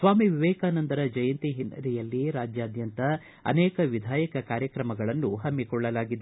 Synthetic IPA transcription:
sʋaːmiʋiʋɛːkaːnɐnd̪ɐɾɐd͡ʒɐjɐnt̪iɦinɐ̰ɾijɐlːiɾaːd͡ʒjaːd̪jɐnt̪ɐ | ɐ̰nɛːkɐʋid̪ʱaːjɐkɐkaːɾjɐkɾɐmɐɡɐɭɐnːuɦɐmːikɔɭːɐlaːɡid̪

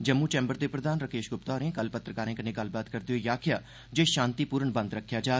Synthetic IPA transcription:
d͡ʒəmːuːt͡ʃɛ̃ːmbəɾd̪eːpɾəd̪ʱaːnɾəkeːʃɡʊpt̪aːɾẽːkəlpət̪ɾəkaːɾẽkənẽɡɐl̤baːt̪kəɾd̪eoːjaːkʰɪjaː | d͡ʒeːʃãːnt̪iːpuːɾəɳbə̃nd̪ɾəkʰːjaːd͡ʒaː

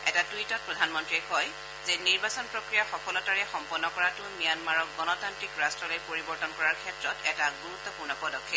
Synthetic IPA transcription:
ɛtatwitɔt̚pɹɔdʱanmɔntɹiɛkɔj | zɛniɹbasɔnpɹokɹijaxɔkɔlɔtaɹɛxɔmpɔnːɔkɔɹatʊmijanmaɹɔk̚ɡɔnɔtantɹikɹastɹɔlojpoɹibɔɹtɔnkɔɹaɹkʰɛtɹɔtɛtaɡuɹut̪ːɔpuɹnɔpɔdɔkʰːi

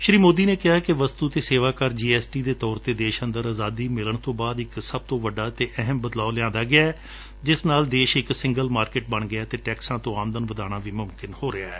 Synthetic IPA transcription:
ʃɾiːmoːd̪iːneːkɪɦaːkɪʋəst̪uːt̪eːseːʋaːkəɾd͡ʒiːɛːsʈiːd̪eːt̪ɔːɾt̪eːd̪eːʃənd̪əɾaːzaːd̪iːmɪləɳt̪õːbaːd̪ɪksəb̚t̪õːʋəɖaːt̪eːʔɛɦəmbəd̪laːlɪjãːnd̪aːɡɪaːɛː | d͡ʒɪsnaːld̪eːʃɪksɪ̃ŋɡəlmaːɾkɪʈ̚bəɳɡɪaːt̪eːʈɛːksãːt̪õːaːmd̪ənʋəd̪aːñaːʋiːmʊmkɪnhoːɾɪaːɛ̰ː

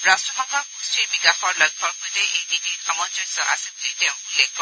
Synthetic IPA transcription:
ɹastɹɔbɔŋkʰɔkstɹibikaxɔɹlɔjk̚ʰɔɹkojtɛʔejdidiamɔnzɔisɔ̰ʔasɛbuliteʊ̃ulekɔ

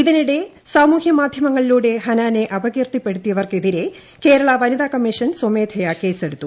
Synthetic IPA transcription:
iðiniɽe̞ | saːmuːhjɐmaːd̪ʱjɐmɐŋːɐɭiluːɽe̞ɦɐnaːne̞ʔɐbɐɣirt̪ipːe̞ɽut̪ːijɐʋɐrkeðiɾe̞ | ke̞ːɾɐɭɐʋɐniðaːkɐmːiʂɐnsomeːd̪ʱʰɐjake̞ːse̞ɽut̪ːu

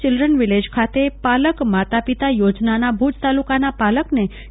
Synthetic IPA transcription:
t͡ʃɪlɾənʋiled͡ʒkʰat̪epaləkmat̪apit̪ajod͡ʒnanabʱud͡ʒt̪alukanapaləkne

